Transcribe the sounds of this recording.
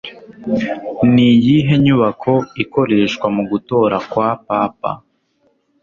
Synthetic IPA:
nijiɦe̞ɲuβakʰo̞iko̞ɾe̞ːʃkwamuɡuto̞ɾakwapaːpa̰

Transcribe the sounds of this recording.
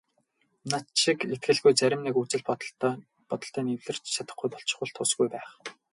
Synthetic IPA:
nat̪ʃiket̪̚ɡɘ̆ɮɣujt͡sæɾʲɪ̆mnekut͡sɘ̆ɮp | pɔt̪ɞ̆ɬt̪œːniwɮɘ̆r̥t͡ɕt͡ɕat̪ə̆χɡujp̪ɔɬt͡ɕɪ̥̆χʊ̆ːɮɬt̪ʰʊːsɡujpæːχ

